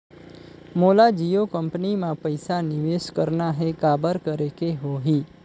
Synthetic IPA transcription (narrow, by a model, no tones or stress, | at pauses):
molad͡ʒijokəmpnimãpəjsanɪʋeskəɾnaɦekabəɾkəɾekeɦoɦi